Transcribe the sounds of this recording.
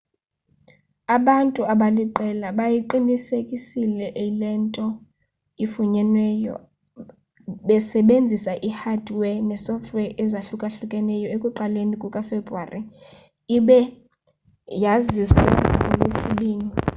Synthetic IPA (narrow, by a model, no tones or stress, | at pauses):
aɓantʼuaɓaliǃɛlaɓajiǃinisekʼisilɛʔilɛntʼɔ | ifuɲɛnwɛjɔ̰ | ɓɛsɛɓend͡zʱisaʔihadʱwɛnɛsɔftʰʼwɛʔɛzaɬukʼaɬukʼɛnɛjɔekʼuǃalenikʼukʼafebruaːri | iɓɛ | jazisuaolufuɓiːni